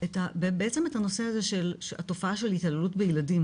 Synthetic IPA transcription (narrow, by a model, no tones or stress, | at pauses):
etabebeet͡se̞me̞tano̞se̞aze̞ʃela̰to̞faaʃelhitalelutbejiladim